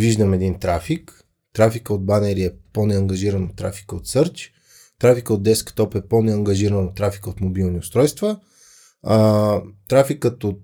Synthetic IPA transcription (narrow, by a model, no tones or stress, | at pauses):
viʒd̪əmɛd̪int̪ɾafik | t̪ɾafikəod̪̚banɛɾiɛponɛɐŋɡɐʒiɾənot̪ːɾafi̥kəot̪sɤɾt͡ʃ | t̪ɾafikəod̪ɛskt̪ɔpɛponɛɐŋɡɐʒiɾənot̪ːɾafi̥kəot̪mobilˠniʊst̪ɾɔjst̪və | t̪ɾafikət̪ot̪